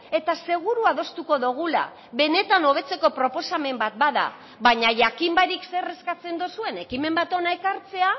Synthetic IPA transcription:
e̞t̪ase̞ɣ̞uɾuaðo̞st̪uko̞ðuɣ̞ula̰ | βe̞ne̞t̪ano̞β̞e̞t͡se̞ko̞pɾo̞po̞same̞mbat̪̚baða̰ | βaɲaʝakimbaɾikse̞re̞skat͡se̞nd̪usue̞ne̞kime̞mbat̪o̞naekaɾt͡se̞a

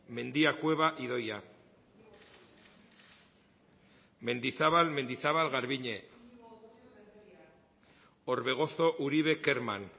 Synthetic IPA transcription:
me̞nd̪iakwe̞βaʔiðo̞ja | me̞nd̪isaβalme̞nd̪iθaβalɣaɾβiɲe | o̞ɾβe̞ɣ̞o̞so̞ʔuɾiβe̞keɾman

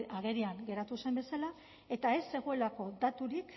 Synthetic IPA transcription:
aɣe̞ɾiaŋɡe̞ɾat̪use̞mbe̞sala | e̞t̪ae̞sːe̞ɣ̞o̞e̞lako̞d̪at̪uɾik

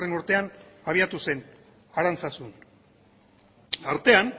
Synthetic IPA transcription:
renoɾt̪e̞anaβ̞iat̪use̞n | aɾant͡sasun | aɾt̪e̞an

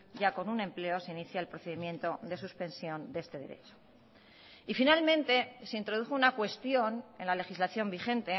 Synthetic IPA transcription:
ɟ͡ʝako̞nunẽ̞mple̞o̞seiniθjaelpɾoθe̞ðimjẽ̞nt̪o̞d̪esuspẽ̞nsjo̞nd̪ee̞st̪e̞ðe̞ɾe̞̰t͡ʃo̥ | ifinalmẽ̞nt̪e̞seint̪ɾo̞ð̞uxo̞unakwe̞st̪jo̞ne̞nlale̞xizlaθjo̞mbixe̞nt̪e̞

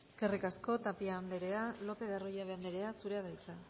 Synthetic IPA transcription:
kerikasko̞t̪apiand̪eɾe̞alo̞pe̞ðarojaβeand̪eɾe̞asuɾeaðajt͡sa

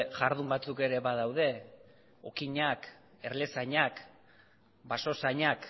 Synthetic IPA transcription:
ʝaɾð̞umbat͡suke̞ɾe̞βaðawð̞e̞ | o̞kiɲak | e̞ɾle̞saɲak | baso̞saɲak

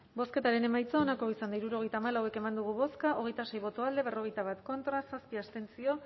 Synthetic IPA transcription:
bo̞ske̞t̪aɾe̞ne̞majt͡soonako̞isand̪aiɾuɾo̞ɣ̞e̞jt̪aːmalawe̞ke̞mand̪uɣ̞uβo̞skaʔo̞ɣ̞e̞jt̪ase̞jβo̞t̪oald̪e̞β̞ero̞ɣ̞e̞jt̪aβ̞at̪ko̞nt̪ɾasaspiast̪e̞nt͡sio̞

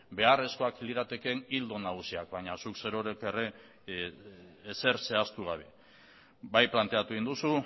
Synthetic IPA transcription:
be̞are̞sko̞akiliɾat̪e̞ke̞nild̪onaɣusiak̚bajɲasukse̞ɾo̞ɾeke̞re̞ | se̞ɾse̞ast̪uɣ̞aβ̞e̞ | bajplant̪e̞at̪ueind̪usu

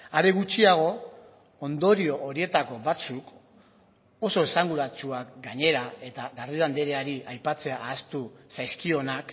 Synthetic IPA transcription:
aɾeɣ̞ut͡ʃiaɣ̞o̞ | ond̪o̞ɾio̞ʔoɾie̞t̪ako̞βat͡suk | o̞so̞esaŋɡuɾat͡suakɡaɲe̞ɾae̞t̪aɣariðand̪eɾeaɾiʔajpat͡se̞aʔːst̪usajskio̞nak

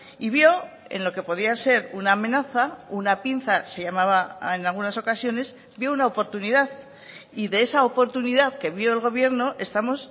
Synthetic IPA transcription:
iβjo̞ | e̞̰nlo̞ke̞po̞ðiase̞ɾunaːmẽ̞naθaunapin̟θase̞ʝamaβaenalɣunaso̞kasjo̞ne̞s | bjo̞unaopo̞ɾt̪uniðað | iðe̞e̞saopo̞ɾt̪uniðaðke̞βjo̞e̞lɣo̞β̞je̞ɾno̞ʔe̞st̪amo̞s

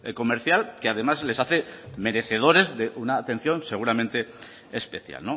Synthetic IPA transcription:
eko̞me̞ɾθjalkeað̞e̞mazle̞saθe̞me̞ɾe̞θe̞ð̞o̞ɾe̞zðe̞ʔunaːt̪e̞n̟θjõ̞nse̞ɣ̞uɾamẽ̞nt̪e̞ː | spe̞θja̰lno

